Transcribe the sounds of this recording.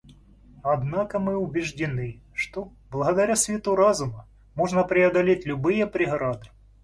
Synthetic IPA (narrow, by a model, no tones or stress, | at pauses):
ɐd̪nakəmɨʊbʲɪʐdʲɪnɨʂt̪o | blˠɐɣɐd̪ɐɾʲasʲvʲɪt̪uɾazʊmə | moʐnəpɾʲɪɐd̪ɐlʲetʲlʲʊbɨjəpɾʲɪɣɾad̪ɨ